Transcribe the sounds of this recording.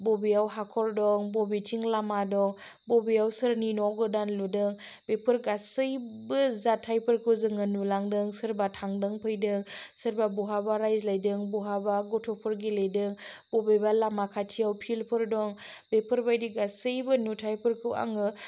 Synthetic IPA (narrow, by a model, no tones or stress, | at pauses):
bobiawɦakʰɔɾdɔŋbobitʰiŋlamadɔŋ | bɔbiawsɯɾninɔɡɯdanludɯŋ | b̥epʰɯɾɡasɯjbɯzatʰːajpʰɯɾkʰɯwzɯŋɯnulaŋdɯŋsɯɾbatʰaŋdɯŋpʰɯjdɯŋsɯɾbabuɦabaɾajzlajdɯŋbuɦabaɡɔtʰɔpʰɯɾɡilejdɯŋbɔbejbalamakʰatʰijawpʰilpʰɯɾdɔŋb̥epʰɯɾbajdiɡasɯjbɯnutʰajpʰɯɾkʰɯwa̰ŋɯ